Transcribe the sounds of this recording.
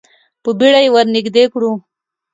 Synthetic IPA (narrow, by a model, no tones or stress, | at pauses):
pəbiɽajwaɾnɪɡd̪ekɽu